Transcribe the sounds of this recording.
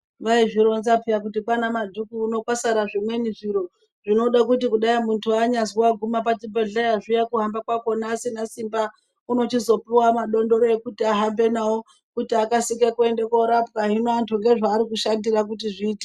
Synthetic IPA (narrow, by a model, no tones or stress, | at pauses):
ʋaiʐiɾo̞nzapijak̬utipanamadʱukuːno̞kwasaɾaʐimwe̞niʐiɾo̞ | ʐ̥ino̞ɗak̬utikuɗajamuntʰuaɲaziwaɡʱumapat͡ʃibeɮeaʐujakuɦambakwako̞nasinasimba | uno̞t͡ʃizo̞piwamaɗo̞ndo̞ɾoekutiaɦambe̞nawo | kutiakasikekue̞ndeko̞ɾapkaɦinoantʰuŋɡe̞ʐaːɾikuʃandirak̬utiʐiːte